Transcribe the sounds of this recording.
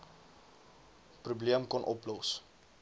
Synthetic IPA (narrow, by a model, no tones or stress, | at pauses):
prubliəmkɔnʔɔplɔs